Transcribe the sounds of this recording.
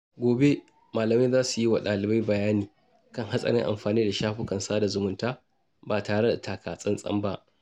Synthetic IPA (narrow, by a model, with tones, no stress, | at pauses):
ɡʷoː˨be˦ | maː˨lɐ˨mɪ˦zaː˦su˨ji˦wa˨ɗaː˨lɪ˨ba˦jbɐ˨jaː˦niː˨ | kɐ˦ŋha˦sʼɐ̰˨ɾɪ˦ŋʔa̰˨mɸaː˨niː˦da˨ʃaː˦ɸʊ˦kɐ˨nsaː˦da˨zʊ˨mʊ˨ntaː˦ | baː˨taː˨ɽe˦da˨taː˨kʰaː˨sʼɐ˦nsʼɐ̰˦mba˦ʔ